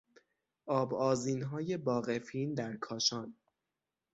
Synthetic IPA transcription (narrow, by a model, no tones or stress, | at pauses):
ʔɒːbɒːziːnɦɒːje̞bɒːɣe̞fiːnd̪æɾkʰɒːʃɒːn